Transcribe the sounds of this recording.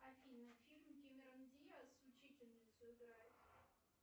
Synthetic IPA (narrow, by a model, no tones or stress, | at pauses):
ɐfʲinɐfʲilʲmkʲemʲɪɾɐnd̪ʲijasʊt͡ɕitʲɪlʲnʲɪt̪sʲʊɪɡɾajɪt̪